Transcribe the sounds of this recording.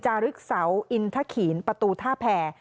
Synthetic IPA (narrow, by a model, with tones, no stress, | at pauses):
t͡ɕaː˧ɾɯ˦˥k̚sa˩˦wʔi˧nt̪ʰa˦˥kʰiː˩˦npa˧t̪uː˧t̪ʰaː˥˩pʰɛː˧